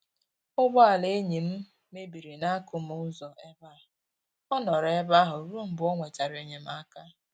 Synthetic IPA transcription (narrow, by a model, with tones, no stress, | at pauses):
ʊ˦bɔ˦a˨le˦ɲi˨m̩˦ | me˦bi˨ɾi˨na˦kʊ˦m̩˦ʊ˦zɔ˨ʔe˦ba˦ʊ˨ | ɔ˦nɔ˨ɾe˦ba˦ɦʊ˨ɾu˦m̩˨bʊ˨˦ɔ˦ŋʷe˨t͡ʃa˨ɾe˨ɲe˦m̩˦a˦ka˦